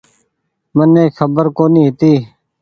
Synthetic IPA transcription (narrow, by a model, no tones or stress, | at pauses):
məneːxʰəbəɾkoːnĩːɦɪt̪iː